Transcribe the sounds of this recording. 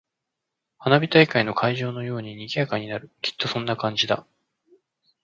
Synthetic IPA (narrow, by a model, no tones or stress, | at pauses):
hanabʲit̪aikaino̞kʰaiʑo̞ːno̞jo̞ːɲ̟iɲ̟iɡʲiakaɲ̟ːinaɾɯ̟kʲʰi̥t̪ːo̞sõ̞nːakãɲ̟d͡ʑid̪a